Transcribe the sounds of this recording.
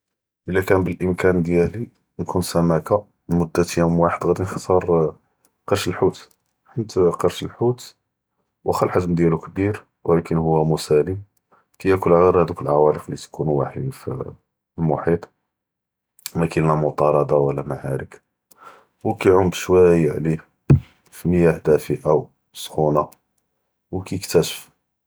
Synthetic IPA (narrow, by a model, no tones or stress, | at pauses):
ʔəlːækænbəlʔəmkænd̪jæli | nkunsæmæka | mʊd̪ːæt̪əjæmwaħəd̪ɣæd̪inxɑt̪ˤɑɾˤ | qɑɾʃəlħut̪ | ħənt̪qɑɾʃəlħut̪ | wʔæxælħaʒmd̪jælukbiɾ | wlækənhʊwːæmʊsæli | kæjækʊlʕaɣɑɾˤhæd̪ukəlʕawɑɾəflit̪kʰunwa̰ħid̪f | əlmʊħit̪ˤ | mækilnæmʊt̪ˤɑɾˤɑd̪ˤɑwəlːæmaʕaɾək | wkæjʕʊmd̪ʃwæjːʕlih | fiməjːaħd̪æfiʔaw | sˤxuna | wkæjəkt̪æʃə̥f